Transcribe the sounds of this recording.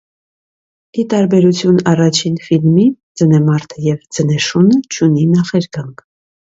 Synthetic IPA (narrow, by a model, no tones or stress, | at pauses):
it̪ɑɾbɛɾut͡sʰjunɑrɑt͡ʃʰinfilmi | d͡zənɛmɑɾt̪ʰəjɛvd͡zənɛʃunət͡ʃʰuninɑχɛɾɡɑŋkʰ